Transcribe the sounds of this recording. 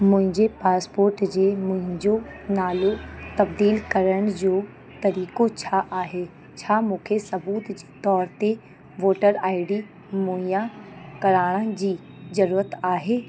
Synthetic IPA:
mʊ̃ɦɪ̃ɲd͡ʑepaːspoːɾʈd͡ʑeːmʊ̃ɦɪ̃ɲd͡ʑonaːlot̪ɐbd̪iːlkɐɾəɽ̃d͡ʑoː | t̪ɐɾiːkot͡ɕʰaʔaːɦe | t͡ɕʰamũːkʰesɐbuːt̪d͡ʑt̪ɔːɾt̪e | ʋoːʈəɾaːɪɽi | mʊ̃ɦĩjãkɐɾaːɽ̃ə̃d͡ʑiː | zɐɾuːɾət̪aːɦeː

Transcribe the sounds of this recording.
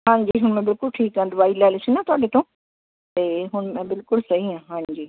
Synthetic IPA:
ɦãːɲd͡ʑiːɦʊnəmẽbɪlkʊlʈʰiːkːɐ̃nd̪ʋaːilaːɪlɪsinat̪ʰaːɗet̪ʰõː | t̪eːɦʊnmẽbɪlkʊlsɐɦiãːɦãːd͡ʑiː

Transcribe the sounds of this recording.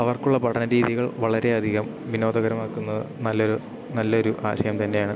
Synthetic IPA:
ɐʋɐrkuɭːɐpɐʈʰɐnɐɾiːðiɣɐɭʋɐɭɐɾe̞ɐd̪ʱiɣɐm | ʋino̞ːd̪ɐɣɐɾɐmaːkːunːɐðɨ̰nɐlːoɾu | nɐlːɐo̞ɾuʔa̰ːɕɐjɐmt̪ɐnːe̞jaːɳɨ

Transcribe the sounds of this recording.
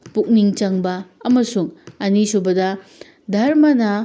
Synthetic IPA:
puk̚niŋt͡ʃɐŋbɐːmɐsuŋɐnisubɐdɐ | dʱɐɾmɐnɐ

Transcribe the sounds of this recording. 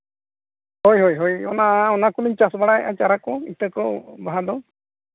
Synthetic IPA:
hojɦojɦojɔ̰naɔnakuliɲt͡ʃasbaɽaja̰t͡ʃaɾakɔit̪akɔbaɦad̪ɔ

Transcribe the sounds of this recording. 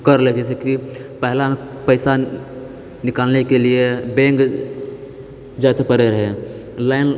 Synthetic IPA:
kəɾled͡ʒɛːs̬ekipɛɦla | pəɪsa | nɪkaːlnekeliebẽːŋk | d͡ʒat̪ʰpəɾeɾəɦe | laɪn

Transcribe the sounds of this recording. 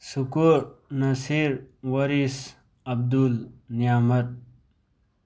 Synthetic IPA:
sukuɾnɐsiɾwɐɾis | ɐb̚d̪ulnijamɐt̪̚

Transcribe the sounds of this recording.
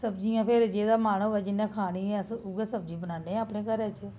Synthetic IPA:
səbd͡ʒijãːpʰɪɾd͡ʒeːd̪aːmaːɽ̃əʋɛːd͡ʒɪnːẽːkʰaːɽ̃iːɛ̃ːsʊɡɛːsəb̚d͡ʒiːbənãːneːɛ̃əpɽeːkəɾɛːt͡ʃ

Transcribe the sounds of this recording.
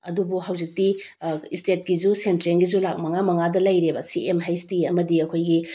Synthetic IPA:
ɐ̰dubuɦawzik̚tiistet̚kizusentɾenɡizulak̚mɐŋamɐŋadɐlɐjɾebɐsiemɦajstiɐmɐdiɐkʰojɡi

